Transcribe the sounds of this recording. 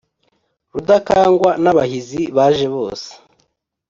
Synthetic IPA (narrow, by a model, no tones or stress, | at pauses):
ɾudakaːŋɡwanaβahiziβaːʒe̞βo̞̰ːse̥